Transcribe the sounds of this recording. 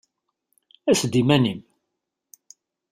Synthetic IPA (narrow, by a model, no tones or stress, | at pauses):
æsd̪imænim